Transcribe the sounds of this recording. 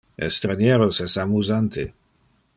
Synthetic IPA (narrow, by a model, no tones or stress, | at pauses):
ɛ̰st̪ɾanjɛːɾosɛsamuzant̪ʰe